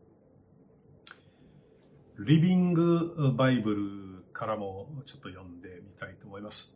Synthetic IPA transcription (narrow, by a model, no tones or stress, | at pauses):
ɾʲibʲĩŋɡɯ̟baibɯ̟ɾɯ̟kʰaɾamo̞t͡ɕo̞t̪ːo̞jõ̞nd̪e̞mʲit̪ait̪o̞ːmo̞imasɨ̥